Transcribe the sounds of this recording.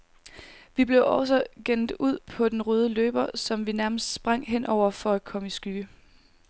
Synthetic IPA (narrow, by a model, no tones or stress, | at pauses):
ʋib̥le̝ʊʔɒs̬ɒɡ̥en̰d̥uð̰ˠpʰɒ̽d̥enʁøːð̞ˠəløːb̥ɐsɒ̽mʋinæɐməsd̥sb̥ʁɑ̈ŋ̰ɦen̰ʔɒʊ̰ɐfɒ̽æ̥kʰɒ̽məisɡ̥yɡ̥ə